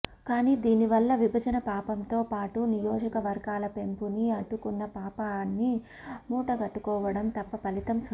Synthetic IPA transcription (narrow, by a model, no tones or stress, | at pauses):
kaːniːd̪iːniʋɐlːɐʋibʱɐd͡ʒɐnɐpaːpɐmt̪oːpaːʈunijɔːd͡ʒɐkɐʋɐɾɡaːlɐpe̞mpuniɐɖukunːɐpaːpanːi | muːʈɐɡɐʈːukɔːʋɐɽɐmt̪ɐpːɐpɐlit̪ɐms